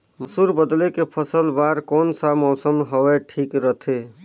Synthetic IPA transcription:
məsuɾbəd̪lekepʰəsəlbaɾkɔːnsamɔsəmɦɔeʈʰikɾət̪ʰe

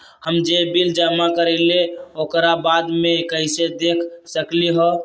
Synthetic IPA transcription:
həmd͡ʒebild͡ʒəmakəɾɛleokɾabad̪mekəɪsed̪ekʰsəkliɦɔ

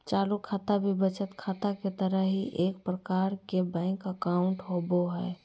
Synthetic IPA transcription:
t͡ʃaːlukʰaːt̪abʱibət͡ʃət̪kʰaːt̪aket̪əɾəɦɦiʔeːk̚pɾəkaːɾkebɛ̃ɪŋkəkaʊ̃ɳʈɦoboɦɛ

